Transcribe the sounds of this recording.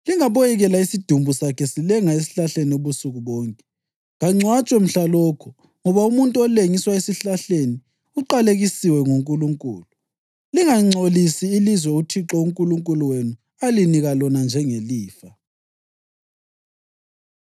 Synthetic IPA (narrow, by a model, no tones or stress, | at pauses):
liŋaβojɛɣɛlaisid̥ʱumbʱusakʰɛsilɛŋaes̬i̥ɬaɬenioβusuɣuβɔːŋkʼɛ̥ | ŋaŋ͡ǀʱwat͡ʃʼwɛm̩ɬalɔːkʰɔ̥ | ŋɔβaumuntʼuɔleŋiswaesiɬaɬeni | uǃaleɣisiwɛŋuŋkʼuluŋkʼṵːlu | liŋaŋ͡ǀʱolisiːlizwɛutʰiǁɔuŋkʼuluŋkʼuluwenu | aliniɣalɔnand͡ʒʱɛŋeliːfa